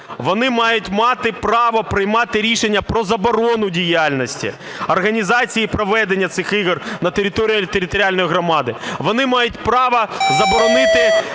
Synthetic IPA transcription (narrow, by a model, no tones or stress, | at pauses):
ʋɔnɪmɑjʊtʲmɑt̪ɪpɾɑʋɐpɾɪjmɑt̪ɪɾʲiʃenʲːɐpɾɔzɐbɔɾɔnʊdʲijalʲnɔsʲtʲḭ | ɐrɣɐnʲizɑt͡sʲijipɾɔʋɛd̪enʲːɐt̪sɪxiɣrnɐt̪eɾʲɪt̪ɔɾʲijt̪eɾʲɪt̪ɔɾʲɪalʲnɔjɦɾɔmɑd̪ɪʋɔnɪmɑjʊtʲpɾɑʋɐzɐbɔɾɔnɪt̪ɪ